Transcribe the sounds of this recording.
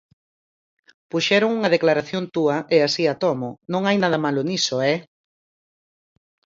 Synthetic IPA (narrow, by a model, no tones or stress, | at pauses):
puʃɛɾʊŋuŋɐðeklaɾaθjont̪uɐʔeasiat̪ɔmʊnõŋajnaðɐmalʊnisoɛ